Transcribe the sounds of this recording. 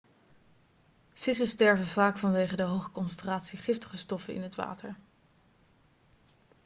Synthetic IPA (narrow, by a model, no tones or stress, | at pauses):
v̥ɪsəstɛɹvənvaːkfɑnʋejχədəɦowχəkɔnsɛntraːtsiχɪftə̥χəstɔfənɪ̰nɦətʋa̰ːtəɹ